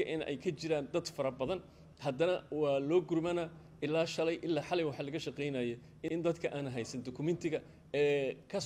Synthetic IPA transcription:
ɐʔɪnɛ̰jkʰɐt͡ʃɪɾaːnd̪ɐd̪fɐɾɐbɐðɐn | hɐd̪ɐnɐwɑːlɔːɡʊrmɐnɐ | ɪlːaːʃɐlɛjʔɪlːaːħɑlɛjwɑħɑːlɐɣɐʃɐqɛjnɐːjɛ | ʔɪnd̪ɐd̪kʰɐʔaːnɦɛjsɐnd̪ɔkʰʊmɛnt̪ʰɪɣɐ | ɛːkʰɐ

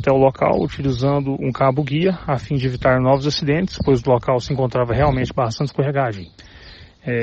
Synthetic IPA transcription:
t̪ɛʊloka̰wṵt͡ʃilizɐ̃nd̪ʊʔũkabʊɡiɐafĩd͡ʒɪevit̪aɾnɔvʊzasid̪ẽt͡ʃ̪ɪ̥spojzʊlokawsɪẽŋkõnt̪ɾavɐɦeawmẽnt͡ʃɪbast̪ɐ̃nt͡ʃɪ̥kõɦeɡaʒẽj̃ | ɛ

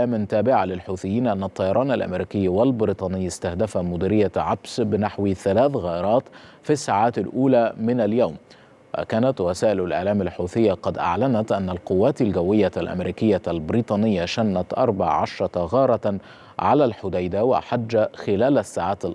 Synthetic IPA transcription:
aːmɪnt̪aːbɪʕalɪlħuːθɪjːiːnʔanːɑt̪ˤːɑjɑɾˤɑːnalʔa̰mɾiːkɪjːwalbɪɾiːt̪ˤɑːnɪjːɪst̪ahd̪afamʊd̪iːɾɪjːaʕabsbɪnaħwiθalaːθɣaːʔɪɾˤɑːt̪fisːaːʕaːt̪alʔuːlamɪnaljawm | wa̰kaːnat̪wasaːʔɪlalʔɪ̰ʕlaːmalħuːθɪjːaqɑd̪ʔa̰ʕlanat̪ʔanːalqʊwːaːt̪alɡawːɪjːalʔa̰mɾiːkɪjːalbɪɾiːt̪ˤɑːnɪjːaʃanːat̪ʔɑɾˤbɑ̰ʕʕɑʃɾˤɑɣɑːɾˤɑ | ʕalalħʊd̪ajd̪awa̰ʔħad͡ʒːaxɪlæːlasːaːʕaːt̪alʔ

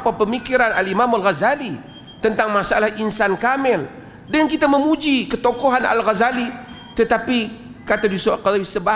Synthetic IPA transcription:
papəmikiɾanalimamalɣazali | t̪ənt̪aŋmasaalahʔinsankamɛl | dənkit̪aməmud͡ʒikət̪okoɦana̰lɣazali | t̪ət̪api | kat̪adiusoakalawisəba

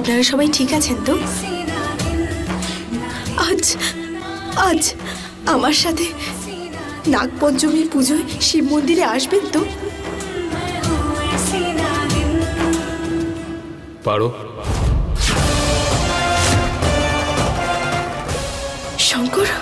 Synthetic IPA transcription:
apnaɾaɾʃɔbajʈʰikat͡ɕʰent̪o | ad͡ʑ | ad͡ʑ | amaɾʃat̪ʰe | nak̚pɔnt͡ɕomiɾpud͡ʑʱoeʃibmond̪iɾeaʃbent̪o | pa̰ɽo | ʃɔŋkɔɾ

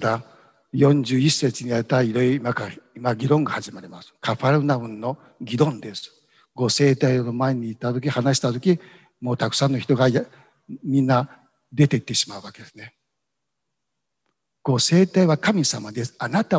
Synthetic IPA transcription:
d̪a | jõ̞ɲd͡ʑɨːisːe̞t͡siɲ̟ijaɾet̪aiɾo̞iɾimakaimaɡʲiɾõ̞ŋɡahaʑimaɾʲimasɨ̥kaɸaɾɯ̟naɯ̟̃nːo̞ | ɡʲiɾõ̞nd̪e̞sɨ̥ | ɡo̞se̞ːt̪aionomaeɲ̟iːt̪ːat̪o̞kʲihanaɕi̥t̪at̪o̞kʲi | mo̞ːt̪akɯ̟̥sãnːo̞çi̥t̪o̞ɡaja | mʲĩnːa | d̪e̞t̪e̞it̪ːe̞ɕimaɯ̟βake̞d̪̥e̞sɨne | ɡ̥o̞se̞ːt̪aiβakamʲisamad̪e̞sɨ̥anat̪a

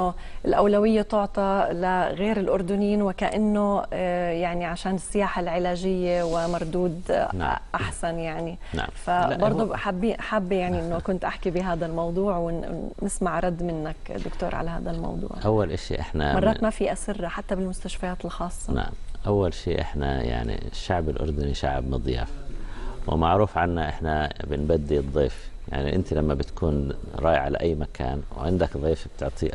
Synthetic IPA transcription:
nːo | ʔɪlʔawlawɪjːet̪ʊʕt̪ˤɑlaɣeːɾɪlʔʊɾd̪ʊniːnwɪkaʔanːojaʕniʕaʃaːnɪsːɪjaːħalʕɪlaːʒɪjːewɪmɑɾˤd̪uːd̪ʔaħsanjaʕni | a̰fabɑɾˤd̪ˤuħabːiħabːjaʕniʔɪnːokʊnt̪ʔaħkibɪɦaːd̪almɑwd̪ˤuːʕwɪːɪsmaʕɾˤɑd̪ːmɪnːakd̪ʊkt̪o̰ːɾˤʕa̰laha̰ːd̪almɑ̰wd̪ˤṵːʕʔawːalʔaʃḭʔɪħna̰mɑrˤɑːmafiːʔasɪrˤːaħat̪ːabɪlmʊst̪aʃfajaːt̪ɪlxɑːsˤːɑna̰ʕmʔawːalʃiːʔɪ̰ħnaja̰ʕnḭʃːaʕbɪlʔʊ̰ɾˤd̪ʊniʃaʕbmɨd̪ˤja̰ːfwɪ̰maʕɾuːfʕanːaʔɪħnabɪnbad̪ːiɨd̪ˤːiːfja̰ʕnḭʔɪ̰nt̪ilamːabɪt̪kʰuːnɾˤɑːjʕala̰ʔajːmakʰa̰ːnw̰ʕɪnd̪akd̪ˤiːfb̚t̪ɪʕt̪ʰˤiʔ

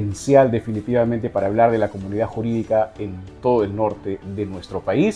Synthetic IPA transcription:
ensjald̪e̞finit̪iβament̪e̞paɾaːβ̞laɾð̞e̞lako̞muniðaxuɾiðikaent̪o̞ð̞oelno̞ɾt̪e̞ðe̞nwe̞st̪ɾo̞pais

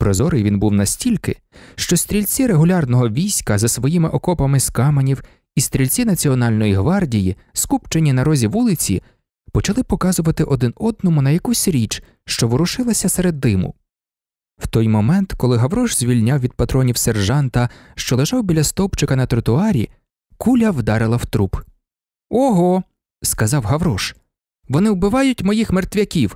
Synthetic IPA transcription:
pɾɔzɔɾɪjʋʲinbuwnɐsʲtʲilʲkɪ | ʃt͡ʃɔst̪ʲɾʲilʲt͡sʲiɾeɦʊlʲɑrnɔɦɔʋʲijsʲkɐzɐsʋɔjimɪʔɔkɔpɐmɪskɑmɐnʲiw | ist̪ɾʲilʲt͡sʲinɐt͡sʲiɔnɑlʲnɔjiɦʋɑrdʲiji | skupt͡ʃenʲːinɐɾɔzʲiʋulˠɪt͡sʲḭ | pɔt͡ʃɐlˠɪpɔkɑzʊʋɐt̪ɪʔɔd̪ɪnɔd̪̚nɔmʊnɐjɐkusʲɾʲit͡ʃ | ʃt͡ʃɔʋʊɾʊʃɪlˠɐsʲɐseɾed̪ːɪmʊ̰ | w̥t̪ɔjmɔmɛnt̪kɔlˠɪɦɐʋɾɔʃz̥ʲʋʲilʲnʲawʋʲid̪̚pɐt̪ɾɔnʲiwserʒɑnt̪ɐʃt͡ʃɔlˠeʒɑwbʲilʲɐst̪ɔpt͡ʃɪkɐnɐt̪ɾɔt̪ʊɑɾʲḭ | kulʲɐwd̪ɑɾɪlˠɐwt̪ɾup | ɔɦɔ | skɐzɑwɦɐwɾɔʃ | ʋɔnɪwbɪʋɑjʊtʲmɔjixmert̪ʋʲɐkʲiw

